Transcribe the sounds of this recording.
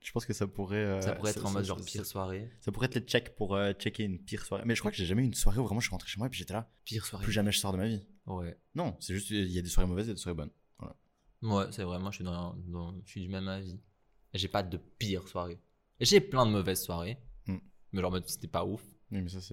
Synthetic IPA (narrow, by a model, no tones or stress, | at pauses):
ʒ̥ə̥pɑ̃skəsapuʁɛøssapuʁɛɛχɑ̃mɔd̪ʒɑʁpiʁswaʁesapuʁɛɛt̪let͡ʃɛkpuʁøt͡ʃɛkʲeynpiʁswaʁḛmɛʒəkχwakəʒeʒamɛynswaʁeuvʁɛmɑ̃ʒəsiʁɑ̃t̪χe̥ʃemwaepɥiʒet̪ɛlapiʁswaʁplyʒamɛʒəsɔʁd̪əmaviwɛnɔ̃sɛʒyst̪iljad̪eswaʁemɔvɛzed̪eswaʁebɔn | vwa̰la̰ | wɛsɛvʁɛmɑ̃əʃid̪ɑ̃d̪ɑ̃ʃɥid̪ymɛmavi | eʒepad̪əpiʁswaʁe | ʒeplɛ̃d̪əmɔvɛzswaʁem̩mɛʒɑ̃ʁmɛse̥t̪ɛpaufwimɛsasɛ